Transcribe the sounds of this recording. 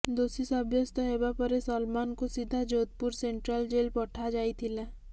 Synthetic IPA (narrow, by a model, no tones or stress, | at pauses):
d̪oːsisɐbjəst̪oɦebapəɾesəlmaːnkosid̪ʱːad͡ʒoːt̪̚pʊɾsẽːɳʈɾəld͡ʒeːlpɔʈʰad͡ʒaːit̪ʰila